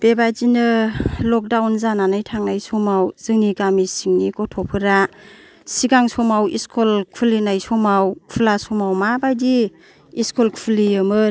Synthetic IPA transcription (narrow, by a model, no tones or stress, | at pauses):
b̥ebazinɯlɔk̚dawnzananajtʰaŋnajsɔmawz̥ɯŋniɡamisiŋnikɔtʰɔpʰɯɾa | siɡaŋsɔmawḭskʰɔlkʰulinajsɔmawkʰulasɔmawmabajdi | iskɔlkʰpʰliɯmɯ